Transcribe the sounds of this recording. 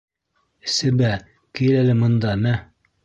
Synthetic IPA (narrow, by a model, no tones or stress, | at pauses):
sɘbæ | kijlælɘmɤ̆nd̪ɑmæ